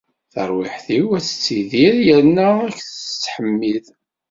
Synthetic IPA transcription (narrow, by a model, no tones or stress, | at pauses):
θə̰ɾˤwɪħθiwæt͡sːə̥t͡sːiðiɾjəɾnːææçθət͡sːħəmːið